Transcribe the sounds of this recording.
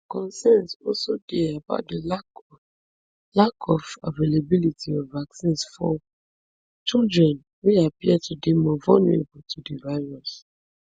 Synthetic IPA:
kɔ̃nsɛnsɔsodeaba̰ʊt̚delak | lakʰɔfa̰velebilitʰiɔ̃vaksĩnsfɔ | t͡ʃildɹɛ̃n | weapiɛdtʰudemɔvɔ̰lnṵɹḛbɔtʰudivaɪɹɔs

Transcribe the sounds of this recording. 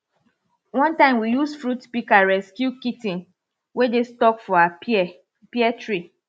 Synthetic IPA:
wɔ̃ntãɪ̃mwijusfɹutpikaɹɛskjukitĩn | wedestɔkfɔa | piɛtɹi

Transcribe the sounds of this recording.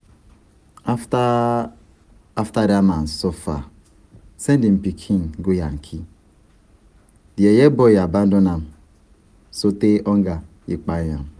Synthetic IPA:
aftadaman̩sofa̰ | sendim̩pikʰinɡoja̰ŋ̩kʰi | diejebojaban̩donam | soteʔɔŋ̩ɡa | ik͡paja̰m

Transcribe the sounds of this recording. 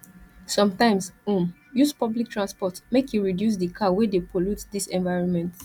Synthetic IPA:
sɔ̃mtãɪ̃msũm | juspɔblik̚tʰɹãnspɔtmekjuɹidjus̬dikʰawedepʰolutdisɛ̃nvaɪɹɔ̃nmɛ̃nt

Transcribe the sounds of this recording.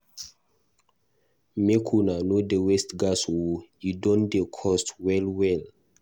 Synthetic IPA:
mekʰunanodəwɛstɡaswujudɔ̃ndekʰɔstwɛlwɛl

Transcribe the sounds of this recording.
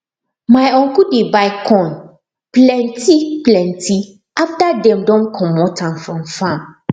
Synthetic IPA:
majɔ̃ŋkudebaɪkʰɔ̃n | plɛ̃ntʰiplɛ̃ntʰi | aftadɛ̃mdɔ̃nkʰɔ̃mɔtʰãnfɾɔ̃mfãm

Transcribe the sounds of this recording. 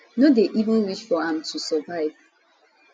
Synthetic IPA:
nodeʔivə̃nwiʃfɔãmtʰusɔvaɪv̥

